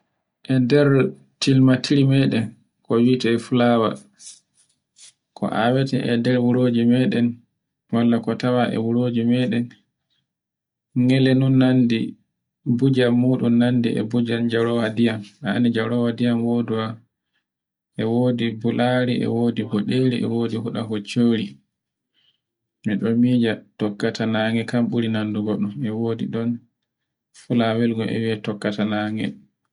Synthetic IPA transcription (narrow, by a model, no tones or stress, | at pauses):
ʔɛdɛɾ | tilmatʰiɾimɛɗɛn | kɔwitɛɛfulawa̰ | kʰɔ̰ʔa̰wɛtɛʔɛ̰dɛɾwuɾoːd͡ʒimɛɗɛn | walːakɔtawaʔɛ̰wuɾoːd͡ʒimɛɗɛn | ŋɛlɛnunːandi | bud͡ʒaːuːɗunːandḭɛ̰bud͡ʒand͡ʒaɾɔwadijama̰nid͡ʒaɾɔwadijamwoduwa | ʔɛwoːdibulʔaɾiʔɛ̰wodihɔɗeɾiʔɛ̰woːdiɦuɗaɦɔt͡ʃoɾi | miɗɔmiːd͡ʒatɔkːatʰanaŋɛkamɓuɾinanduɡɔɗɔmɛwoːdiɗɔn | fulawɛlɡɔʔɛ̰wiɛtɔkːatanaːŋɛ̰